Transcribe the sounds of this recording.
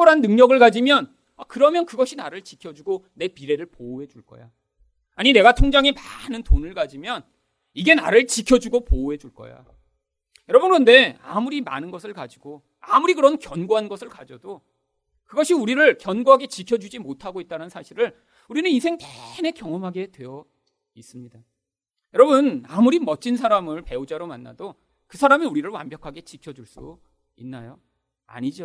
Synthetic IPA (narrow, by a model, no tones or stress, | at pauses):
oɾɦanːɯŋɲʌɡɯɭkad͡ʑimjʌn | akɯɾʌmjʌnkɯɡʌɕʰinaɾɯɭt͡ɕikʰjʌd͡ʑuɡone̞piɾe̞ɾɯɭpoːɦe̞d͡ʑuɭk͈ʌ̰ja | aɲine̞ɡatʰoŋd͡ʑaŋimanɯntonɯɭkad͡ʑimjʌn | iɡe̞na̰ɾɯɭt͡ɕikʰjʌd͡ʑuɡopoːe̞d͡ʑuɭk͈ʌ̰ja̰ | jʌɾʌbɯnkʌnde̞a̰muɾima̰nɯnɡʌsʰɯɭkad͡ʑiɡo | amuɾikɯɾʌnkjʌnɡoɦanɡʌsʰɯɭkad͡ʑʌdo | kɯɡʌɕʰiuɾiɾɯɭkjʌnɡoɦaɡe̞t͡ɕikʰjʌd͡ʑud͡ʑimotʰaɡoit̚t͈aɾannsʰaɕʰiɾɯɭ | uɾinɯnisʰe̞ŋtene̞kjʌŋʌmɦaɡe̞dwejʌ | is͈ɯmɲida | jʌɾʌbɯnamuɾimʌt͡ɕ͈ʰins̬ʰaɾamɯɭpe̞ud͡ʑaɾomanːa̰do | kɯsʰaɾamiuɾiɾɯɭwa̰mbjʌkʰaɡe̞t͡ɕikʰʌd͡ʑuɭs͈ṵ | inːajo | a̰ɲid͡ʑo